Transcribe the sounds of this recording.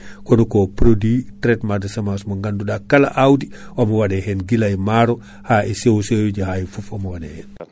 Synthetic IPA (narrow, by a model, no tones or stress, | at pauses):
kɔnukopɾoditɾɛtmaɾdesamasmoŋɡandudakːala̰ʔawdiomɔwadɛhɛnɡilajmaɾɔ | haɛsewsejud͡ʒihajifufomɔwadɛhɛn